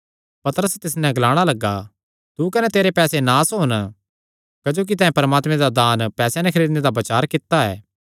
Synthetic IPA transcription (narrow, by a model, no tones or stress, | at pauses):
pɐt̪əɾəst̪ɪs̬nɛ̃ɐɡlaːɽ̃alɐɡːa | t̪ukɐnɛt̪eːɾepɛːsenaːsɦoːn | kɐd͡ʒoːk̬it̪ɐ̃ːẽpɐɾəmaːt̪mẽd̪ad̪aːnpɛːsjãnɛ̃kʰɐɾiːd̪ned̪abɐt͡ʃaːɾkɪt̪ːaɛː